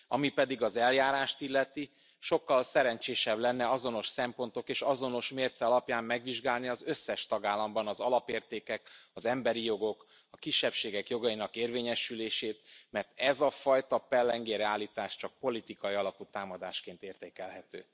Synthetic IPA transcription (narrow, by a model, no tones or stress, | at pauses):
ɒmipɛd̪iɡɒzɛljaːɾaːʃt̪ilːɛt̪i | ʃo̞kːɒlsɛɾɛɲt͡ʃeːʃɛblɛnːɛɒzo̞no̞ʃsɛmpo̞nt̪o̞keːʃɒzo̞no̞ʃmeːrt̪sɛɒlɒpjaːmmɛɡʋiʒɡaːlniɒzø̞sːɛʃt̪ɒɡaːlːɒmbɒnɒzɒlɒpeːrt̪eːkɛkɒzɛmbɛɾijo̞ɡo̞k | ɒkiʃːɛpʃeːɡɛkjo̞ɡɒjinɒkeːrveːɲɛʃyleːʃeːt̪mɛrt̪ɛzɒfɒjt̪ɒpɛlːɛŋɡeːɾɛaːlːiːt̪aːʃt͡ʃɒk̚po̞lit̪ikɒjiɒlɒput̪aːmɒd̪aːʃkeːnt̪eːrt̪eːkɛlɦɛt̪ø̰ː